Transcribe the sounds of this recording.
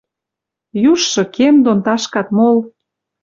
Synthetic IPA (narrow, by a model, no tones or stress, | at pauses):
juʃːɤ̆kemd̪ont̪ɑʃkɑt̪mol